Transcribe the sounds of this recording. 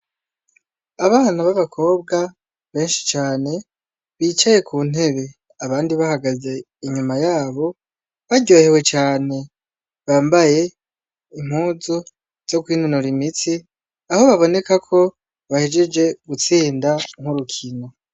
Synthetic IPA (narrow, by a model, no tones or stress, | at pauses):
aβaːnaβaβakʰo̞ːbɡa | βe̞ːnʃi̥t͡ʃaːne̞ | βiːt͡ʃaje̞kʰuːn̥e̞βe̞ | aβaːndiβahaɡaze̞ | iɲumajaːβo̞ | βaɟoːhewe̞t͡ʃaːne̞ | βaːmbaje̞ | im̥huːzu | z̥o̞kwiːnunuɾimit͡si | aho̞βaβo̞ne̞kakʰo̞ | βahed͡ʒed͡ʒe̞ɡut͡siːndaŋ̥huɾukʰino̞